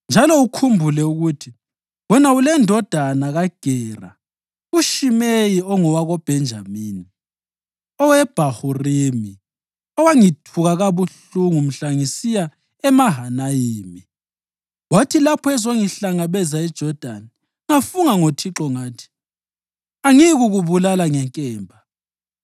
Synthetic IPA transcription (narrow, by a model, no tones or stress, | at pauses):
nd͡ʒʱalɔukʰumbʱulɛuɣutʰi | wɛnaulɛndʱɔd̥ʱanaɣaɡ̥ʱɛːra̰ | uʃimejiɔŋɔwaɣɔb̥ʱɛnd͡ʒʱamiːni | ɔwɛb̥ʱahurimi | ɔwaŋitʰuɣaɣaβuɬ | uŋum̩ɬaŋisija | ɛmaɦanajiːmi | wotʰilapʰɔɛzoŋiɬaŋaβɛzaɛd̥ʒ̥ʱɔd̥ʱani | ŋafuŋaŋotʰiǁɔŋaːtʰi̥ | aŋiɣuɣuβulalaŋɛŋkʼɛːmbʱa